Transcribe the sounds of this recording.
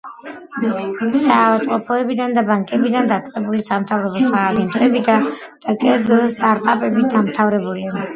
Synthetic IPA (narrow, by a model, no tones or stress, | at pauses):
savat̪ʼqʼɔpʰɔɛbid̪and̪abaŋkʼɛbid̪and̪at̪sʼqʼɛbulisamt̪ʰavɾɔbɔsaːɡɛnt̪ʰʼɛbid̪a | d̪̥akʼɛɾd̪zɛlˠst̪ʼaɾt̪ʼapʼɛbiɡamt̪ʰavɾɛbulia